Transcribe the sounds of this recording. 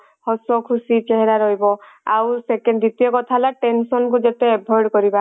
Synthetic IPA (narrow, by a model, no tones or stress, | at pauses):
hɔsɔkʰusit͡ʃeɦɛɾaɾɔɦibɔ | a̰wsekenɖd̪it̪ijɔkɔt̪ʰalaʈensɔnkud͡ʒet̪ɛːbʰʱɔɹɖkɔɾiba